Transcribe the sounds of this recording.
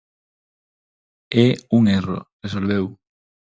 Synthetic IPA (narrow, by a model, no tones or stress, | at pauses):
ɛuŋero̰resolβew